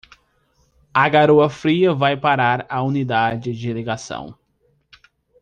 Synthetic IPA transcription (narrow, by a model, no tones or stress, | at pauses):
aɡaɾoɐfɾiɐvajpaɾaɾaunid̪ad͡ʒɪd͡ʒɪleɡasɐ̰̃w̃